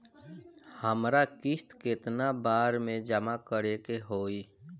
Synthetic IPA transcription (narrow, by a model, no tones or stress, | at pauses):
həmɾakɪst̪kɪt̪nabaːɾmẽd͡ʒəmakəɾekeɦoːi